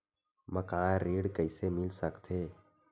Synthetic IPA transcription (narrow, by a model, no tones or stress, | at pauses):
məkãɾeːɽkəɪsemɪlsəkt̪ʰeː